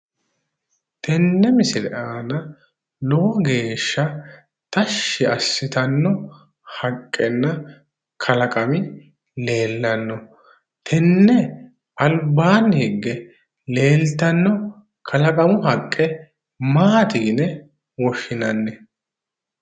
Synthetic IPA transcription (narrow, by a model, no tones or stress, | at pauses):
t̪ʰɛnːɛmɪsɪlɛ̰ʔaːnɐ | loɡe̞ːʃːɐ | t̪ɐʃːɪɐsːɪt̪ɐnːɔ | hɐkʼːɛnːɐ | kʰɐlɐkʼɐmɪ | le̞ːlːɐnːɔ | t̪ʰɛnːɛ | ʔɐlbaːnhɛɡːɛ | le̞ːlt̪ɐnːɔ | kʰɐlɐkʼɐmʊɦɐkʼːɛ | maːt̪ɪɡnɛ | wɔʃːɪnɐnːɛ